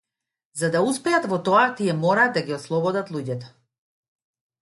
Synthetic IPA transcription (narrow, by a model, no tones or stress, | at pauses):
zad̪auspɛat̪vɔt̪ɔat̪iɛmɔɾaːd̪d̪aɡiɔslˠɔbɔd̪at̪lˠuɟɛt̪ɔ̥